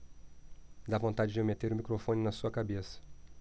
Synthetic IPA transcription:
d̪avõnt̪ad͡ʒɪd͡ʒemet̪eɾʊmikɾofõnɪnɐsuɐkabesɐ̥

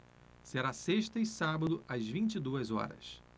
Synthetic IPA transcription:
seɾaseʃt̪ɐɪsabɐd̪ʊɐzvĩt͡ʃid̪uɐzɔ̰ɾɐ̰s

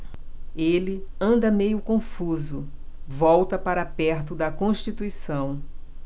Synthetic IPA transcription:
elɪɐ̃nd̪ɐmejʊkõfuzʊ | vɔwt̪ɐpaɾɐapɛɾt̪ʊd̪ɐkõʃt͡ʃit̪uisɐ̃w̃

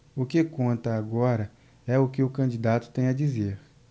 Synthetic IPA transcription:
ʊkekõnt̪ɐːɡɔɾɐ | ɛʊkɪʊkɐ̃d͡ʒid̪at̪ʊ̥t̪ẽj̃ɐd͡ʒizeɾ

